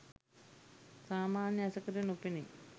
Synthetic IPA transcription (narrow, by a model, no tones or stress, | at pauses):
saːmaːnjɐɐsɐkːɐɾɐnupːini